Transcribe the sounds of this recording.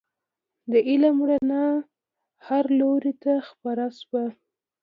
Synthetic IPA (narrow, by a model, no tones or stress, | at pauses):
d̪əʔɪlamɽana | haɾloɾet̪axpaɾasba